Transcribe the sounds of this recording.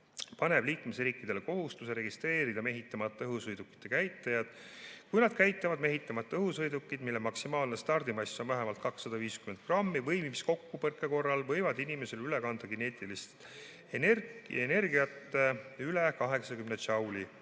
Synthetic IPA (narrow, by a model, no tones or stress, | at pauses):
pɑne̞b̥liːkme̞sriːkˑːid̪̥e̞leko̞ɦust̪use̞ɾe̞ɡist̪re̞ːɾid̪ɑme̞ɦit̪ːˑɑmɑt̪ːˑɑɤɦusɤjd̪ukːˑi̥t̪ːˑe̞kæjt̪ːˑejɑd̪̥ | kujnɑd̪̥̚kæjt̪ˑːɑvɑd̪̥me̞ɦit̪ːˑɑmɑt̪ːˑɤɦushɤjd̪ukːid̪̥milːemɑksimɑːlnest̪ɑrd̪̥imɑjsonvæɦemɑlt̪̚kɑksːɑd̪ɑviːskymen̚krɑmːivɤjmimisko̞kːupɤrkːˑeko̞rːɑlvɤ̞jvɑd̪inime̞se̞lyle̞kɑnd̪̥ɑɡine̞ːt̪ˑilist̪ | enerene̞rɡiɑt̪ːˑeylekɑɦe̞ksɑkymnet͡ʃɑwli